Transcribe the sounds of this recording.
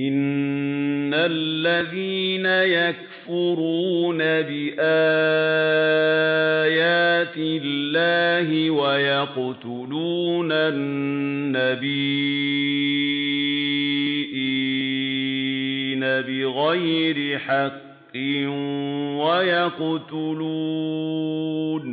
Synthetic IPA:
ʔɪnː | alːaðiːnajak̚ | fʊɾuːnabɪʔaː | jaːt̪ɪlːaːɦɪwajaqʊt̪ʊluːnaː | abiː | ʔi | nabɪɣajɾɪħɑqː | ɪ | wajaqt̪ʊlu | n

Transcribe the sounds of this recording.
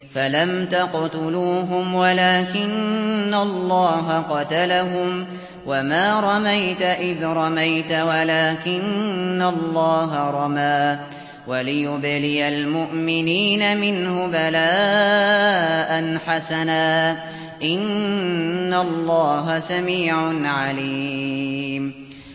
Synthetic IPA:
falamt̪aqt̪ʊluːɦʊmwalaːkɪnːalˤːɑːɦaqɑt̪alaɦʊm | wamaːɾˤɑmajt̪aʔɪðɾˤɑmajt̪awalaːkɪnːalːɑːɦaɾˤɑmaː | walɪjʊblɪjalmʊʔmɪniːnamɪnhʊbalaː | ʔanħasanaː | ʔɪnː | alːɑːɦasamiːʕʊnʕaliː | m

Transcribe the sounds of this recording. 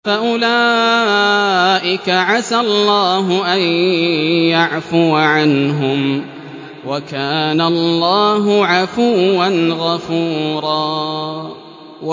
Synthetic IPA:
faʔʊlaː | ʔɪkaʕasalˤːaːɦʊʔan | jaʕfʊʕanɦʊm | wakaːnallˤːaːɦʊʕafuːanɣafuːɾˤɑː

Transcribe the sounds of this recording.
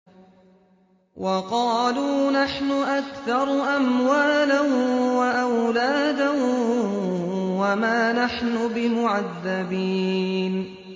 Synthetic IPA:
wʔɑqɑːluːnaħnʊʔakθɑɾˤʔamwaːlawaʔawlaːd̪a | wamaːnaħnʊbɪmʊʕaðːabiːn

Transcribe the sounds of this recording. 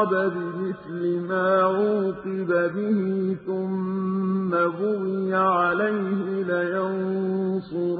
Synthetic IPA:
babɪmɪθlɪmaːʕuːqɨbabɪhiθʊmː | aɣʊwɪjaʕalajhɪlajansˤʊɾ

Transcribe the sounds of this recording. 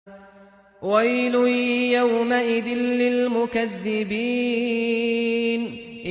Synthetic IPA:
wajlʊjawmaʔɪd̪ɪnːɪlmʊkaðːɪbiː | n | ʔ

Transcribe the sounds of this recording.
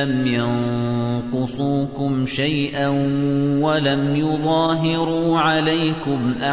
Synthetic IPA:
amjɑnqʊsˤuːkʊmʃajʔa | walamjʊðˤɑːɦɪɾuːʕalajkʊmʔa

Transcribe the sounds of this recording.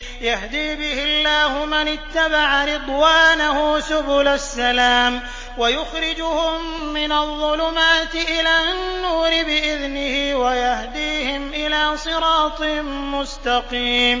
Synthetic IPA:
jahd̪iːbɪhɪlːaːhʊmanɪt̪ːabaʕaɾɨd̪ˤwaːnahʊsʊbʊlasːalaːm | wajʊxɾɪd͡ʒʊhʊmː | ɪnaðˤːʊlʊmaːt̪ɪʔɪlaːnːuːɾɪbɪʔɪðnɪhiːwajahd̪iːhɪmʔɪlaːsˤɨɾɑːt̪ˤɨ | mʊst̪ɑqiːm

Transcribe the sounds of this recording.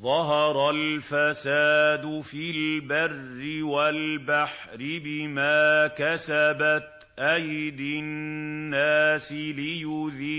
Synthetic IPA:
ðˤɑɦɑɾˤɑlfasaːd̪ʊfilbarːɪwalbaħ | ɾɪbɪmaːkasabat̪ | ʔajd̪aː | aːsɪlɪjʊðiː

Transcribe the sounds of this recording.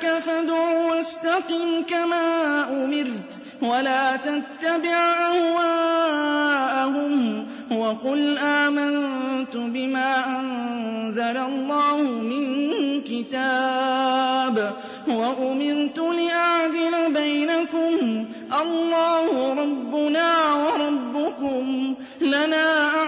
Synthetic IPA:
kafad̪ʕuːwast̪aqiːmkamaːʔʊmɪɾt̪ | walaːt̪at̪ːabɪʕʔahwaː | ʔahʊm | waqʊlʔaːmant̪ʊbɪmaːʔannzalalˤːɑːhʊmɪnkɪt̪aː | b | waʔʊmɪɾt̪ʊlɪʔaʕd̪ɪlabajnakʊm | ʔɑlːɑːhʊɾˤɑbːʊnaːwɑɾˤɑbːʊkʊm | lanaːʔa

